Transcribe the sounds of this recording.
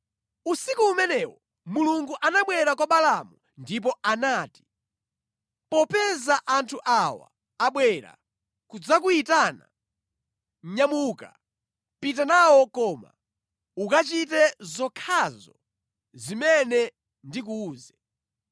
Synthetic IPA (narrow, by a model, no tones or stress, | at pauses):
usikuːmɛnɛwɔ | muluŋɡuʔanaɓwɛɾakwaɓalamu | ndip̬ɔanaːti̥ | pɔpɛzaʔantʰuʔawa̰ː | ɓwɛɾa̰ | kud͡zak̬uitaːna̰ | ɲamuka̰ | pit̬anawɔkɔːma̰ | ukat͡ʃit̬ɛzɔkʰazɔ̰ | zimɛnɛ | ndik̬uːzɛ